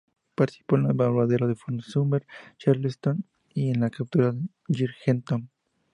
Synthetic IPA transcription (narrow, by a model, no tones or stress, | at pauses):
paɾt̪i̥si̥po̞enlaβalaðeɾaðefoɾnsumbeɾt͡ʃaɾlest̪on | ienlakap̚t̪uɾað | d͡ʒiɾxent̪on